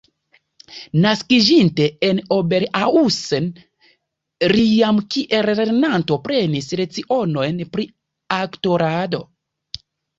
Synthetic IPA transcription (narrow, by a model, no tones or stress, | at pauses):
naskid͡ʒinte̞eno̞be̞ɾausen | ɾijamkiʔeɾeɾenanto̞pɾe̞nisɾe̞t͡siʔo̞no̞jnpɾi | akto̞ɾado̞